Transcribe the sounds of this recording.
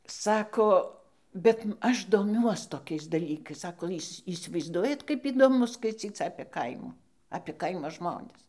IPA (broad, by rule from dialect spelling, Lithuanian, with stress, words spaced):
ˈsɑːkoː ˈbʲɛt ˈɐʃ doːˈmʲuɔs toːˈkʲɛɪs dɐˈlʲiːkɐɪs ˈsɑːkoː ˈiːsʲ iːsʲɪʋɐɪzˈduɔjɛt kɐɪp iːdoːˈmʊ skɐɪˈt͡sʲiːt͡s ɐpʲeː ˈkɐɪmuː ɐpʲeː ˈkɐɪmoː ˈʒmoːnʲɪs